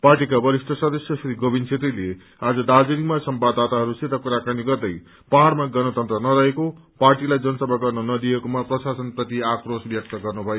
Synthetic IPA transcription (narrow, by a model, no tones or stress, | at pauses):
parʈikabʌɾisʈʰʌsʌd̪ʌsjʌsɾiɡobint͡sʰet̪rile | ad͡zʌd̪ad͡zinimasʌmbad̪at̪aɦʌɾuset̪akuɾakaniɡʌrd̪ʌj | paɦaɾmaɡʌnʌt̪ʌnt̪rʌnʌɾʌɦeko | parʈilajd͡zʌnʌsʌbʱaɡʌrnʌnʌd̪ijekomaprʌsasʌnprʌt̪iakrosbjʌk̚t̪ʌɡʌrnubʱʌjo